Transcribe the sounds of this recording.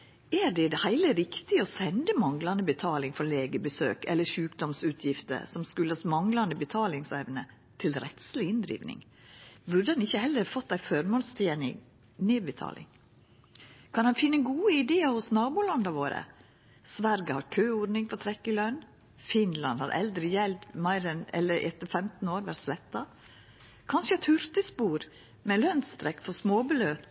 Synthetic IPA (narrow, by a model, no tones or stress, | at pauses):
æɾd̪ɛd̪ɛhæɪləɾɪkt̪ɪɔsɛnd̪əmɑŋlɑnəbət̪ʰɑːlɪŋfɔɾleːɡəbəsø̰ːkɛ̰lːəʃʉːkd̪ɔmsʉːt̪ʰjɪft̪ə̰ɾsɔmskʉlːəɑsmɑŋlɑnd̪əbət̪ʰɑːlɪŋsɛʋnə | t̪ʰɪlɾɛt̪slɪɪnd̪ɾḭːʋnɪ̰ŋ | ʋʉɖ̪ədɛnɪçːəhɛlːəɾfɔt̪ːæɪfɔɾmoːlst̪ʰenɪ̰ | nɪːbət̪ʰɑ̰ːlʔɪ̰ŋ | kʰɑnhɑnfɪnːəɡuːəɪd̪eːəhʊsnɑːbuːlɑnd̪ɑʋoːɾə̰ | sʋæɾɡəhɑɾkʰøːoːɖnɪŋfɔt̪ʰɾɛkːɪlœn | fɪnlɑnhɑ̰ɾʔɛ̰ld̪ɾɪjɛlt̪mæɪɾɛnɛ̰lːəɾʔɛ̰t̪əfɛmt̪n̩oːɾʋæʈslɛt̪ːɑ | kʰɑnʃət̪ʰhʉɾt̪əspuːɾ | mɛlœnst̪ɾɛkːfɔɾsmoːbəløːt̪